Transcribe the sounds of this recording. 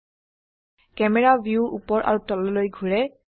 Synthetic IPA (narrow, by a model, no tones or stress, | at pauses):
kɛmɛɹabiuʔṵpɔɹʔa̰ɹutɔlɔlojɡʱuɹɛ